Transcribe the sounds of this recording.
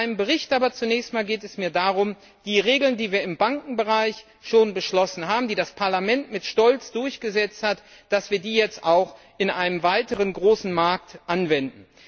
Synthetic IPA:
ʔaɪnəmbəʁɪçtʔaːbɐt͡sunɛːçstmaːlɡeːtɛsmiːɐdaːʁʊm | d̥iːʁeːɡl̩ndiːviːɐɪmbaŋkŋ̩bəʁaɪç | ʃoːnbəʃlɔsn̩ɦaːbm̩diːdaspʰaɐlamɛntmɪtʃtɔlt͡sd̥ʊɐçɡ̥əzɛt͡sthat | d̥asv̥iːɐdiːjɛt͡stʔaʊx | ʔɪnʔaɪnəmvaɪtəʁənɡʁoːsn̩maɐk̚tʔanvɛndn̩

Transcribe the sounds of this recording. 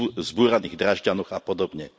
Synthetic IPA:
zbuːɾaniːɣd̪ɾaʒɟanɔɣapɔd̪ɔbɲɛ

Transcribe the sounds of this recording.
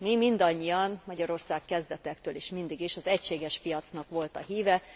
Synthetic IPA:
mimind̪ɒɲːijɒnmɒɟɒɾo̞rsaːkkɛzd̪ɛt̪ɛkt̪øːliːʃmind̪iɡiʃɒzɛcʃeːɡɛʃpijɒt̪snɒkʋo̞lt̪ɒɦiːvɛ

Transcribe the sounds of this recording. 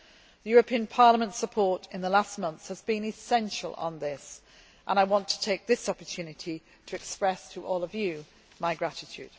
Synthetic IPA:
ðəjɔːɹəpʰĩə̃npʰɑɹləmə̃ntsəpʰɔɹtɪ̃nðəlast̚mʌ̃nθshəzbĩnɪsɛ̃nʃə̰lˠə̰̃nðɪs | ʔə̃naɪwɒ̃ntʰə̥tʰeɪk̚ðɪsɒpə˞tʰʉːnɪtʰi | tʰəɛkspɹɛstʰəʔɔːlˠəvjɨ | maɪɡɹatɪtʰʉ̰ːd̥

